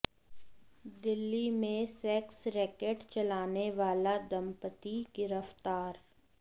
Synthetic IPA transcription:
d̪ɪlːimẽsɛːksɾɛːkəɖt͡ʃɐlaːneʋaːlad̪ɐmpət̪iɡɪɾəft̪aːɾ

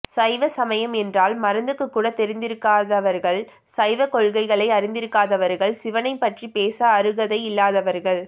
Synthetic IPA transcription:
sɐɪʋɐsɐmɐjɐmɛndraːlmɐɾɐnd̪ɯkːɯkːuːɽɐt̪ːɛɾɪnd̪ɪɾɯkːaːðɐʋɐɾɣɐɭ | sɐɪʋɐkɔɭɣɐɪɣɐɭɐɪɐɾɪnd̪ɪɾɯkːaːðɐʋɐɾɣɐɭsɪʋɐnɐɪpːɐʈripeːsɐːɾɯɣɐðɐɪɪlːaːðɐʋɐɾɣɐɭ

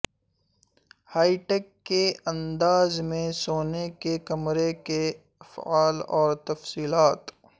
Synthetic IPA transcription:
haːiʈeːkːeɐ̃nd̪aːzmẽsoːnekekɐmɾeke | ɐfaːlɔːɾt̪ɐfsiːlaːt̪

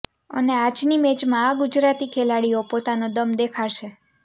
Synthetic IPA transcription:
ə̰nead͡ʒnimed͡ʒmãːɡʊd͡ʒɾat̪ikʰelaɽiopot̪anõd̪əmd̪ekʰaɾʃe

